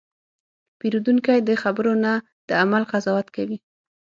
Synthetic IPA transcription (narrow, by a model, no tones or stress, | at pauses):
piɾud̪uŋkajd̪əxabəɾona | d̪̥əamalqazɑwat̪kawi